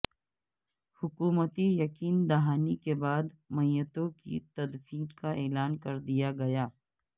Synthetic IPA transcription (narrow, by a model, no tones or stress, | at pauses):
hʊkuːmət̪ijɐkiːnd̪ɐɦaːnikebaːd̪mɐjjət̪õkḭt̪ɐd̪fiːɾkaʔeːlaːnkɐɾd̪ijaɡɐjaː